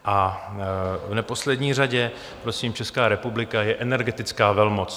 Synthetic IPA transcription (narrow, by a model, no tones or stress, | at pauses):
ʔa | vnɛpo̞slɛdɲiːr̝aɟɛ | pɾo̞siːmt͡ʃɛskaːɾɛpublɪkajɛʔɛnɛɾɡɛt̪ɪt͡skaːvɛlmot͡s